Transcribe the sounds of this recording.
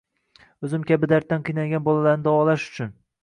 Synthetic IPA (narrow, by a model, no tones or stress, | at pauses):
ɵzɪmkʲabɪd̪aɾt̪ːanqʰɨjnaɡʲanbɒlalaɾnɪd̪ɒwɒlaʃʊ̥t͡ʃʰʊn